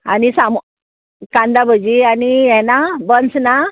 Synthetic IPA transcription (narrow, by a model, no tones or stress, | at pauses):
a̰nisamu | kãnd̪abəd͡ʑianijɛnabənt͡sna